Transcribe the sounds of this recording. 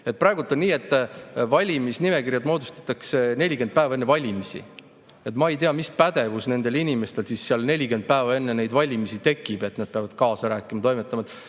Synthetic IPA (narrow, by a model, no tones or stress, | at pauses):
eprɑeɡut̪ːˑonniːe̞t̪ːˑvɑlʲimisnime̞kirjɑd̪mo̞ːd̪u̥st̪ɑ̥t̪ːˑɑkse̞ne̞lʲike̞nd̪̚pæevɑe̞nːevɑlʲimisḭ | e̞t̪mɑe̞jt̪eɑmispæd̪̥e̞vusne̞nd̪̥e̞linime̞st̪e̞lsisːeɑlne̞lʲike̞nd̪̥̚pæːvɑe̞nːe̞ne̞jd̪vɑlʲimisit̪e̞kːˑib̥e̞t̪ːnɑd̪̥̚peɑvɑd̪̥kɑːsɑɾæːkːˑimɑt̪o̞jmet̪ːˑɑmɑd̪